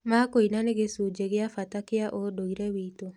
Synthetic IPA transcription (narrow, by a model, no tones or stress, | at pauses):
makoinaneɡesud͡ʒeɡɪafat̪akɪaʔodoiɾewit̪o